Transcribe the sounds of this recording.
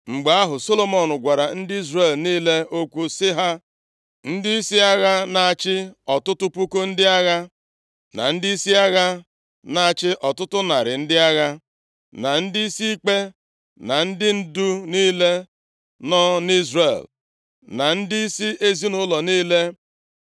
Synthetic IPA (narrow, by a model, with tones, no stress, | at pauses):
ŋ͡m̩˨ɡ͡ba˨a˦ɦʊ˨so˦lo˦mɔ˨nʊ˨ɡʷa˨ɾa˨n̩˦dɪ˦i˦zre˨lniː˦le˦o˦kʷu˦sɪ˦ɦa˦ | n̩˦dɪ˦i˦si˦a˦ɣa˦na˨a˨t͡ʃɪ˦ɔ˨tʊ˦tʊ˦pu˦ko˦n̩˦dɪ˦a˦ɣa˦ | na̰˨n̩˦dɪ˦i˦si˦a˦ɣa˦ | na˨a˨t͡ʃɪ˦ʔɔ˨tʊ˦tʊ˦na˨ɾɪ˨n̩˦dɪ˦a˦ɣa˦ | na˨n̩˦dɪ˦i˦si˦i˦k͡pe˦ | na˨n̩˦dɪ˦n̩˦du˦niː˦le˦ | nɔ˦ni˦zre˨l | na˨n̩˦dɪ˦i˦si˦e˦zi˦nʊ˦lɔ˨niː˦le˦